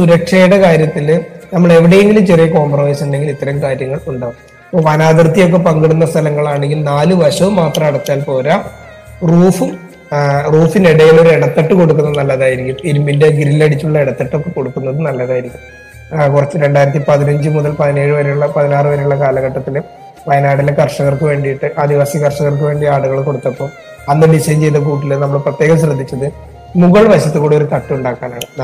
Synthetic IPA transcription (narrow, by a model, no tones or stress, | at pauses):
suɾɐkʂeːjɽɐkaːɾjɐt̪ːilnɐmːɐɭe̞ʋiɽejeŋɡilumt͡ɕerijɐko̞ːmpromɐjsɐɳɖe̞ŋɡilit̪ːɐɾɐmkaːɾjɐŋːɐɭuɳɖaːʋum | pːoːʋɐnaːd̪rt̪ːijo̞k̬ːe̞pɐŋɡiɽunːɐst̪ʰɐlɐŋːɐɭaːɳe̞ŋɡilnaːlɨʋɐʂɐʋɨmːaːt̪rɐmɐɽɐt̪ːaːlpo̞ːɾɐ | ruːfum | ruːfineɽɐjiloɾeɽɐt̪ːeʈːɨko̞ɽukːunːɐðɨnɐlːɐðaːjiɾikʲːumiɾumbinde̞ɡiɾilɐɽit͡ɕːuɭːɐeɽɐt̪ːeʈːɨo̞kːe̞ko̞ɽukːunːɐðɨnɐlːɐðaːjiɾiɐkʲːum | kurɐt͡ɕːɨɾe̞ɳɖaːjiɾɐt̪ːipɐðinɐɲd͡ʑɨmuðɐlpɐðine̞ːɻɨʋɐɾejuɭːɐpɐðinaːrɨʋɐɾejuɭːɐkaːlɐɣɐʈːɐt̪ːilum | ʋɐjnaːɽilekɐrʂɐɣɐrkɨʋe̞ːɳɖijiʈːɨʔɐd̪iʋaːsikɐrʂɐɣɐrk̬ɨʋe̞ːɳɖiaːɽuɣɐɭko̞ɽut̪ːɐpːo̞ːɭ | ɐnːeɖisɐjmd͡ʑe̞jt̪ːɐk̬uːʈ̬ːilenɐmːɐɭprɐt̪je̞ːɣɐmɕrɐd̪ʱːit͡ɕːɐðɨ | muɣɐɭʋɐɕɐt̪ːɨkoːɽeo̞ɾut̪ɐʈːɨuɳɖaːkːaːnaːɳɨ